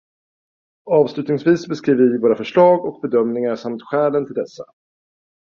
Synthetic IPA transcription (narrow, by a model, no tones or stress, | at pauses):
ɑːvslʉ̟ːt̪nɪŋsviːsbɛskɾiːvəvɪvoːɾafœʂɭɑːɡɔk̚bɛd̪œmnɪŋaʂamt̪ɧɛːlənt̪ʰɪld̪ɛsːa̰